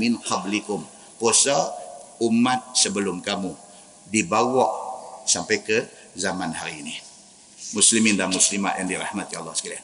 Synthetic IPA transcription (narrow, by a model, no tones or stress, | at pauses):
mɪnqɑblikʊm | posaumat̪̚səbəlʊmkamu | dibawɔʔsampajkə | zamanhaɾiːni | muslimɪndamuslima̰ʔ̪jaŋdiɾahmat̪̚jalːɔhsə̥kalian